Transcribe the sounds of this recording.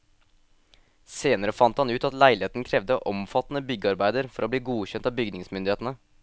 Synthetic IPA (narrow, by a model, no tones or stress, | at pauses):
seːnəɾəfɑnt̪hɑnʉːt̪ɑt̪læɪlɪeːt̪n̩kʰɾɛʋd̪əʔɔmfɑt̪n̩əbʏɡəɑɾbæɪd̪əɾfɔɾoːbliːɡuːçɛnt̪ɑːbʏɡdnɪŋsmʏnd̪ɪheːt̪n̩ə